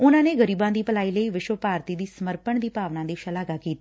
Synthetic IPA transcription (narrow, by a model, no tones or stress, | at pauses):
ʊnãneɡəɾiːbãd̪iːpəlaːiləiʋɪʃʋəpaːɾt̪id̪iːsəməɾpəɳd̪iːpaːʋnãd̪iːʃəlaːɡakiːt̪ː